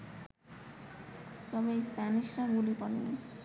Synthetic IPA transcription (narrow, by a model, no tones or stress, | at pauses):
t̪ɔbeespɛniʃɾaɡulipɔɽenḭ